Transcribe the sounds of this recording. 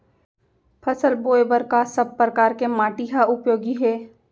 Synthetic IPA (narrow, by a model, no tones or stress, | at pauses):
pʰɐsəlboːjbəɾkasəb̚pɾəkaːɾkemaːʈiɦaʊpjoːɡiɦɛː